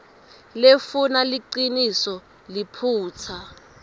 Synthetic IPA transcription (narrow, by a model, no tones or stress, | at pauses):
lefunaliǃinisɔ | lipʰuːt͡sʰa